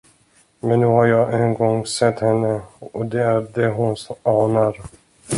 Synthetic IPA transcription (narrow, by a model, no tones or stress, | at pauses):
mɛnːʉ̟ːhaɾjɑːʔɛnɡɔŋsɛt̪ːhɛnːəɔd̪ɛæɾɖɛɦʊnsɑːnaɾ